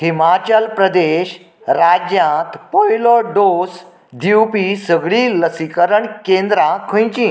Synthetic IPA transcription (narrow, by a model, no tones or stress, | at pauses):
himat͡ɕəlpɾəd̪eɕ | ɾad͡ʑjãt̪pɔjlɔɖos | d̪ʱiwpisəɡɭiːləsikəɾəɳkẽnd̪ɾãkʰə̃jt͡ɕĩː